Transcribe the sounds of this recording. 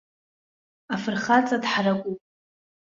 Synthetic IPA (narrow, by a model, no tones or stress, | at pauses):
afɨrχat͡sʼadħarakʷʼupʼ